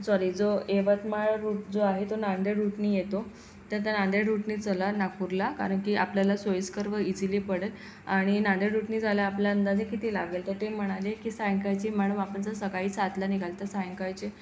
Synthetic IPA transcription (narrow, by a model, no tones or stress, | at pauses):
sɔɾiːd͡zoeʋət̪maɭɾuʈ̚d͡zoaɦet̪onaɳd̪eɽɾuʈniːjet̪o | t̪əɾt̪anaɳd̪eɽɾuʈniːt͡səlanakuɾlaka̰ɾəɳkiʔapljalasojəskəɾʋəid͡ziliːpəɽel | aɽ̃inaɳd̪eɾuʈniːd͡zʱaljaaːpljaənd̪ad͡zʱekit̪iːlaɡelt̪əɾt̪em̤əɽ̃alekiːsajəŋkajt͡ɕim̤aɽ̃uʋapəɳt͡səsəɡaiːt͡sat̪laniɡʱalt̪əɾsajəŋkajt͡ɕe